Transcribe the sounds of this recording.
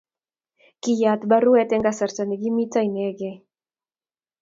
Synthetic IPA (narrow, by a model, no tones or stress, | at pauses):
kijat̪baruet̪eŋɡasaɾt͡saneɡimit͡sajneɡe